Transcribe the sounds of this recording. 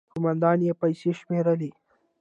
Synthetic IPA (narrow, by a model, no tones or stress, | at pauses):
kʊmɐnd̪ɑːnjepɐjseʃmeɾəli